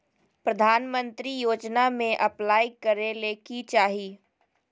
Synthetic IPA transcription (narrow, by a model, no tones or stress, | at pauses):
pɾəd̪ʱaːnmə̃nt̪ɾijoːd͡ʒnamẽʔɐplaːikəɾeleːkit͡ʃaːɦiː